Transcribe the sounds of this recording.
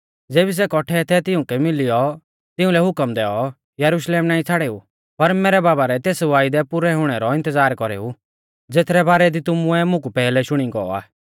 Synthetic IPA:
d͡zeːbis̬ɛkɔʈʰɛt̪ʰɛt̪ɪʊ̃kɛmɪlɪjɔ | t̪ɪʊ̃lɛɦʊkəmd̪ɛːɔ | jɐɾuʃleːmnaːĩt͡sʰaɽeːṵ | pɐɾmɛːɾɛbaːbaɾɛt̪eːsʋaːɪd̪ɛpʊɾɛɦʊɽ̃ɛɾɔɪ̃nt̪əd͡zaːɾkɔɾḛːu | d͡zeːt̪ʰɾɛbaːɾɛd̪it̪ʊmʊɛmʊ̃kupɛːlɛʃʊɽ̃iɡɔɔ̰a̰ː

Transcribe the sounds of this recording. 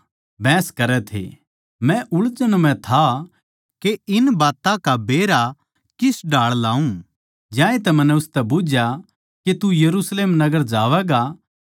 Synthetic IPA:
bɛ̃ːskɐɾɛt̪ʰḛ | mɛ̃ʔʊɭt͡ʃəñmɛ̃t̪ʰa | keɪnbaːt̪ãkabeːɾa | kɪsɖʱaːɭlaːũ | d͡ʒjãːẽt̪̬ɛmɐ̃nːɛʊst̪ɛbʊd͡ʒʱja | ket̪ujɐɾuːsleːmnɐɡəɾd͡ʒaːʋɛɡa

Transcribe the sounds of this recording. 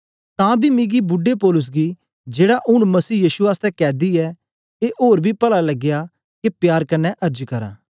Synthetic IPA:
t̪ãːbʱimɪ̃ɡibʊɖepɔːlʊs̬ɡiː | d͡ʒeːɽaʔʊɽ̃mɐsiːjiːʃuaːst̪ɛkɛːd̪iɛ | eːʔoːɾbʱipɐlalɐɡɪja | kepjaːɾkɐnːɛʔɐɾd͡ʒkɐɾa̰ː

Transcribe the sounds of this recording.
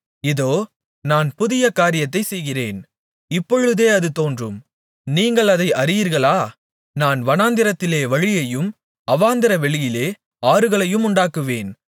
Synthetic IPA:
ɪðoː | naːnpʊðɪjɐkaːɾɪjɐt̪ːɐɪsɛjɣɪreːn | ɪpːɔɻɯðeːɐðɯt̪oːndrɯm | niːŋɡɐɭɐðɐɪʔɐɾɪjiːɾɣɐɭaː | naːnʋɐnaːnd̪ɪɾɐt̪ːɪleːʋɐɻɪjɐjɯm | ɐʋaːnd̪ɪɾɐʋɛɻɪjɪleː | aːɾɯɣɐɭɐjɯmʊɳɖaːkɯʋeːn

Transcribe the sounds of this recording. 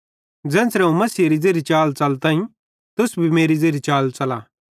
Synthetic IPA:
d͡zɛ̃ːsɾɛũmɐsiːɾid͡zeːɾit͡ʃaːlt͡sɐlt̪ãːĩ | t̪ʊsbʱimeːɾid͡zeːɾit͡ʃaːlt͡sɐlaː

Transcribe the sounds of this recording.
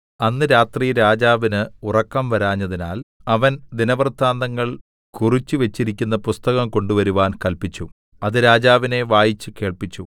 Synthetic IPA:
ɐnːɨɾaːt̪riɾaːd͡ʑaːʋinɨurɐkːɐmʋɐɾaːɲːɐðinaːlɐʋɐnd̪inɐʋɐrd̪ʰʱːaːnd̪ɐŋːɐɭ | kurit͡ɕːuʋet͡ɕːiɾikʲːunːɐpust̪ɐɣɐmko̞ɳɖuʋɐɾuʋaːnkɐlpit͡ɕːu | ɐðɨɾaːd͡ʑaːʋine̞ʋaːjit͡ɕːɨke̞ːɭpit͡ɕːu

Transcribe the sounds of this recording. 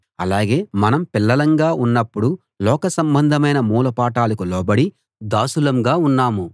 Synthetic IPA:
ɐ̰laːɡe̞ːmɐnɐmpilːɐlɐŋɡaːʔunːɐpːuɽu | lɔːkɐsɐmbɐnd̪ʱɐmɐjnɐmuːlɐpaːʈaːlɐkulɔːbɐɽi | d̪aːsulɐmɡaːunːaːmu

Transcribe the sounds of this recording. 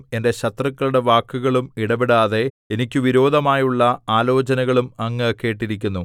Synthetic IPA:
e̞nde̞ɕɐt̪rɐkːɐɭuɽe̞ʋaːkːuɣɐɭumiɽɐbiɽaːðe̞ | enikʲːɨʋiɾo̞ːd̪ʱɐmaːjuɭːɐaːlo̞ːt͡ɕɐnɐɣɐɭumɐŋːɐkːe̞ːʈːiɾikʲːunːu

